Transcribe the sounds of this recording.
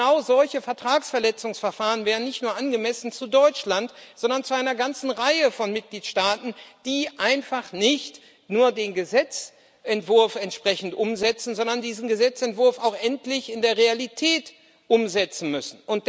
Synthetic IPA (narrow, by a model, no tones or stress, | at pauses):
aʊzɔlçəfɛɐtʁ̥aːksfɛɐlɛt͡sʊŋsfɛɐfaːʁənvɛːʁənːɪçtnuːɐʔanɡəmɛsn̩t͡sudɔʏt͡ʃlantz̥ɔndɐnt͡suʔaɪnɐɡant͡sn̩ʁaɪəfɔnmɪt̚ɡ̥liːtʃtaːtn̩d̥iːʔaɪnfaχnɪçt | nuːɐdeːnɡəzɛt͡s | ʔɛntv̥ʊɐfɛntʃpʁ̥ɛçn̩tʔʊmzɛt͡sn̩zɔndɐndiːzn̩ɡəzɛt͡sɛntv̥ʊɐfaʊxʔɛntlɪçɪndeːɐʁealitʰɛːt | ʔʊmzɛt͡sn̩mʏsn̩ʔʊnt̚